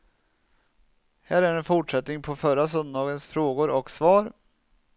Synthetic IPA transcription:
hæːɾæɾɛnfʊʈʂɛt̪nɪŋpʰɔfœɾas̬œnd̪d̪ɑːɡənsfɾoːɡʊɾɔksvɑːɾ

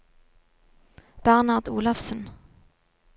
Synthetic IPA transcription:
b̥æʁnɑʁd̪ṵːlɑfsən

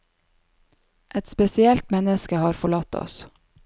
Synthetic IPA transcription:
ʔɛt̪spɛsɪɛlt̪mɛnəskəhɑːɾfɔɭɑt̪ɔ̰s

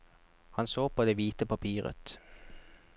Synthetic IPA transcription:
hɑnsoːpʰoːd̪eːʋiːt̪əpɑpʰiːʁə̰t̪

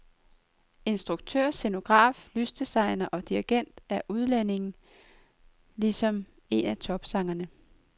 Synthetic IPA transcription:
e̝nsd̥ʁuɡ̥̚t͡sʰøɐ̰se̝no̝ɡ̥ʁɑ̰̈ːflysd̥isɑ̈ɪnɐʔɒ̽d̥iɐɡ̥en̰d̥æɐʔuð̞ˠlene̝ŋn̩ | lisɒ̽m | e̝næt͡sʰɒ̽b̥sɑ̈ŋɐnə

